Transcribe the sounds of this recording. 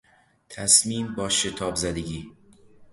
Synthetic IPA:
t̪ʰæsmiːmbɒːʃe̞t̪ʰɒːbzæd̪eɟiː

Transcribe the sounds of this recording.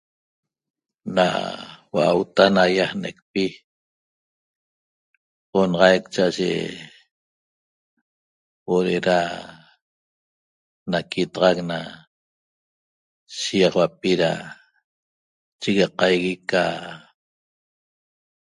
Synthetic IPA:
na̰waʔa̰wt̪anajahnek̚pi | onɑʁɑjkt͡ʃaʔaʒḛ | woɾeɾa | nakit̪ɑʁɑkna | ʃijɑχwapiɾa̰ | t͡ʃiɣɑqɑjɣika

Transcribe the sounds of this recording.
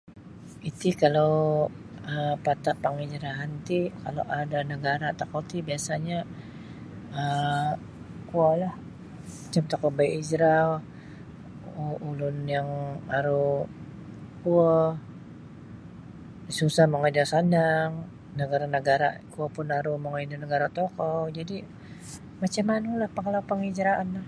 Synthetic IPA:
it̪ikalaw | əpat̪apəŋid͡ʒɾaɦant̪ikaloʔadanəɡaɾat̪akot̪ibiasaɲa | ə | kualah | mat͡ʃamt̪akɔbajʔid͡ʒɾa | uːlʊnjaŋaɾu | kuə | susahməŋad͡ʒasanaŋ | nəɡaɾanəɡaɾa̰kuəpʊnaɾumɔŋaidunəɡaɾat̪ɔkɔd͡ʒadi | mat͡ʃamːanulahpəŋlawpəŋid͡ʒɾaanlah

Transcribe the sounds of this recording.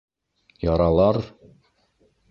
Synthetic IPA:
jɒɾɑlˠɑɾ

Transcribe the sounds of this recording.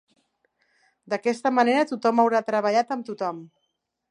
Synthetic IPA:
d̪əkɛst̪əməneɾət̪ut̪ɔməwɾat̪ɾəβəʎat̪əmt̪ut̪ɔm

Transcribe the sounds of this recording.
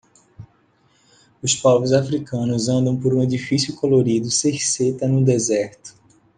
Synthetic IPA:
ʊspɔvɾʊzafɾikɐ̃nʊzɐ̃nd̪ɐ̃w̃poɾũed͡ʒ̪ifisjʊkoloɾid̪ʊseɾset̪ɐnʊd̪ezɛɾt̪ʊ̥

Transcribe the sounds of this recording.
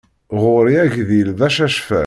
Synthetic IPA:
ʁʊɾiæʝðilðæʃæʃfæ̰

